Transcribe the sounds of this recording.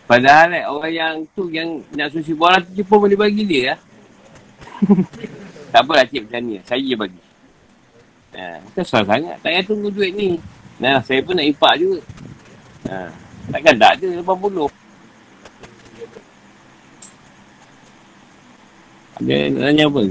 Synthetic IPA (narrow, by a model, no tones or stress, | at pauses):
padaɦalɛoɣajaŋt̪ujaŋnaʔsus̬ibaɾat̪ut͡ʃupəbəlibaɡidiəla | t̪aʔbəlat͡ʃep̚tanĩlasajbaɡi | ə̰ak̪asasaŋa̰t̪t̪aʔjat̪uŋɡud͡ʒueʔ̪̚ninalahsajəp̬ənaʔipaʔd͡ʒuɡa | ə̰t̪aʔkanda̰ʔd͡ʒuləpampuloh | a̰də̰na̰laɲabə